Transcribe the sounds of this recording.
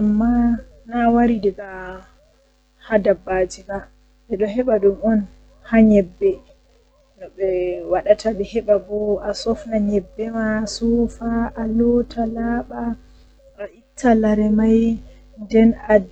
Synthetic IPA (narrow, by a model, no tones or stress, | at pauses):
amːa | nawaɾidɛɡa | hadabːad͡ʒima | ʔɛɗɔhɛɓadumɔn | haɲɛbːɛ | nɔɓɛwaɗatʰaɓɛhɛɓabɔasɔfnaɲɛbːɛmasɔfaʔalɔtʰalaɓaː | ʔitʰːalaɾɛmaj | ndɛna